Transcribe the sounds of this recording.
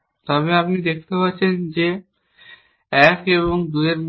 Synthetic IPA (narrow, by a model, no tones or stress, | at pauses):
t̪ɔbeapnid̪ekʰt̪epatːɕʰend͡ʑe | ɛkeβoŋd̪ueɾm